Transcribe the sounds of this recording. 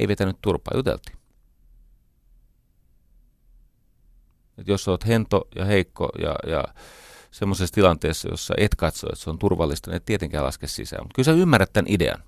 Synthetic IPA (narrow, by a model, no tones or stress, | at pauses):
ḛiʋet̪ænyt̪t̪urpɑːjut̪ḛlt̪i̥ː | et̪jossoːt̪hent̪ojɑheikːo̰jɑ̰jɑ̰ | semːosest̪ilɑnt̪eːsːɑjo̰sːɑ̰ʔet̪kɑt̪so̰ḛt̪seont̪urʋɑlːist̪ɑniet̪t̪iet̪eŋkæːlɑ̰skessḭsæ̰ːmut̪kylseymːærːæt̪t̪ænʔideɑ̰n